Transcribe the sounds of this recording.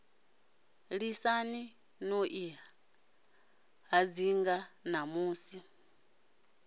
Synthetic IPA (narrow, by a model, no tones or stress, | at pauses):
ɺisani | noʔia | ɦad͡ziŋɡanamuːsi